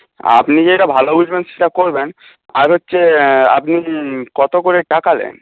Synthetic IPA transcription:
a̰pnid͡ʑeʈabʱalobud͡ʒbenʃeʈakoɾben | aɾɦotːɕʰea̰pnikɔt̪okoɾeʈakalḛn

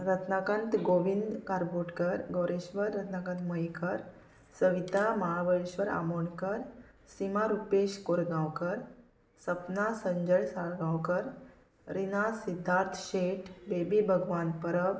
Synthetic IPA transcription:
ɾət̪nakãnt̪ɡoʋind̪kaɾboʈkəɾɡəwɾeɕʋəɾːət̪nakãnt̪məjkəɾ | səʋit̪aməɦabəɭeɕʋəɾa̰moɳkəɾ | simaɾupeɕkoɾɡãwkəɾ | səpnasəɲd͡ʑəɭsaɭɡãwkəɾ | ɾinasid̪ʱːaɾt̪ʰɕeʈʰbebibʱəɡʋanpəɾəʋ

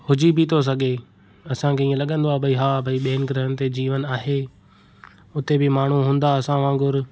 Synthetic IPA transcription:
hʊd͡ʑibʱit̪ʰos̬ɐɡʱe | ɐsãkʰeĩːə̃lɐɠə̃nd̪oaːbʱɐiɦaːbʱɐiɓeːɪnɪɡɪɾəɦənɪ̆t̪ed͡ʑiːʋənaːɦeː | ʊt̪ebɪmaːɳ̤uɦũːn̆d̪aɐsãʋãːɡʊɾ

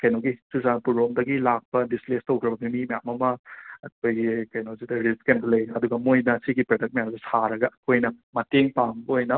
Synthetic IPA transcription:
kɐjnoɡisuzanpuɾomdɐɡilak̚pɐdisplestɐwkʰɾɐbɐɡɐnimɐjamɐmɐɐkʰojɡikɐjnozidɐɾiskenɡɐlɐjɐduɡɐmojnɐsiɡipɾɐdɐk̚mɐjamsisaɾɐɡɐɐkʰojnɐmɐteŋpaŋbɐojnɐ

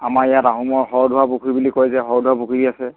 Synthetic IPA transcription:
amaɹijataɦumɔɹɦɔɹdʱuwabukʰibulikɔjzɛɦɔɹdʱuwabukʰuɹiasɛ

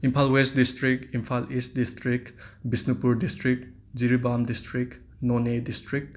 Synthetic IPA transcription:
impʰalwestdistɾikimpʰalist̚distɾikbisnupuɾdistɾik | d͡ʒiɾibamdistɾik | nɔnedistɾik̚

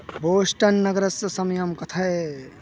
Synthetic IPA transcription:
boːʃʈɐnːɐɡɾɐsɐsɐmjɐmkɐt̪ʰɐe

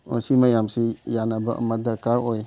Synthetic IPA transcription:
ɔsimajamsijanabaə̰madəɾkaɾoj

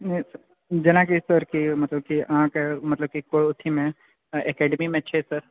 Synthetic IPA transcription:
nes | d͡ʒɐnãkisɐɾkimɐt̪ləb̚kiãːkemɐt̪ləb̚kikoɭʊt̪ʰːimẽ | ekɛːɖmimẽt͡ʃʰesɐɾ

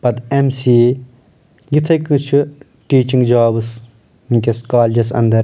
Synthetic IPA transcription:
pɐt̪emsiː | ɡit̪ʰɐkɨt͡ʃʰu | ʈiːt͡ʃĩŋɡd͡ʒaːbɨs | miŋʲkʲɐskaːld͡ʒɐsɐ̰nd̪ɐɾ

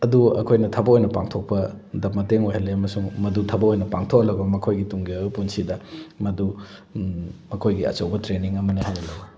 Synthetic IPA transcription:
ɐduɐ̰kʰojnɐtʰɐbɐojnɐpaŋtʰok̚pɐdɐp̚mɐteŋojhɐlːeɐmɐsuŋmɐdutʰɐbɐojnɐpaŋtʰokɐlɐbɐmɐkʰojɡituŋɡipunsidɐmɐdu | mɐkʰojɡiɐ̰t͡ʃɐwbɐtɾeniŋɐmɐnɐɦajnɐlɐwbɐ

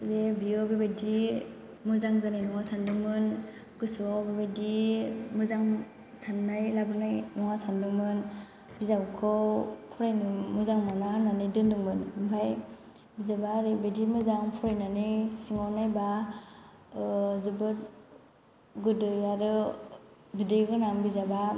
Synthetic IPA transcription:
zebiɔbebadi | mɯzaŋzanajnɔŋasandɯŋmɯn | ɡɯsɔbebedimɯzaŋ | sanːajlabɯɾnajnɔŋasandɯŋmɯn | bizabkʰɔpʰuɾajnɯmuzaŋmanananidɯnduŋmɯnpʰaj | bizabaɾibedimɯzaŋpʰuɾajnanisiŋɔnajba | zɯbɯt̚ | ɡɯdɯaɾɯ | bideɡɯnaŋbizaba

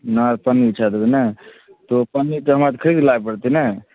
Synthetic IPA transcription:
naɾpənit͡ʃʰad̪bɛnɛ | t̪opənːit̪oɦəmɾat̪kʰəɾid̪laepəɽt̪inɛ

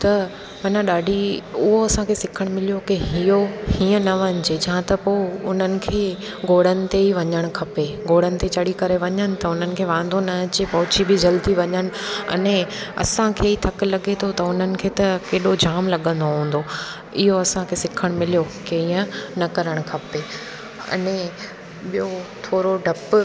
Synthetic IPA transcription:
t̪ɐ | mɐnãɗaːɖʱiʊɦoɐsãkʰeːsɪkʰəɽ̃mɪlijokiɦijohiːə̃nɐʋɐɲd͡ʑed͡ʑɐɦãt̪ɐpoːʊn̤ənɪ̆kʰeː | ɡoːɽ̤ənɪ̆t̪eiʋɐɲəɽ̃̆kʰɐpeɡoːɽənɪ̆t̪et͡ɕɐɽikɐɾeʋɐɲəñɪ̆t̪ɐʊn̤ənɪ̆kʰeːʋãːn̆d̪onɐt͡ɕepɐɦʊt͡ɕibɪd͡ʑɐlt̪iʋɐɲəñɪ̆ɐ̰nẽɐ̰sãkʰeːit̪ʰɐkɪ̆lɐɠet̪ʰot̪ɐʊn̤ənɪ̆kʰeːt̪ɐkeːɗod͡ʑaːmlɐɠə̃nd̪oɦũːn̆d̪o | ɪɦoɐsãkʰeːsɪkʰəɽ̃mɪlijokeɦĩːə̃nɐkɐɾəɽ̃kʰɐpe | ɐ̰nẽ | ɓijot̪ʰoːɾoɖʱɐp

